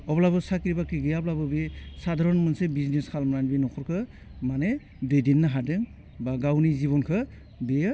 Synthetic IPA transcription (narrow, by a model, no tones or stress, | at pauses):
ɔblabɯsakiɾibakeɡɯjablabɯbisadʱaɾɔnmɯnsebizneskʰalmɔnanbinɔkʰɔɾkʰɯ | mane | dɯdinːaɦadɯŋ | baɡawniziβɔnkʰɯ | dejɯ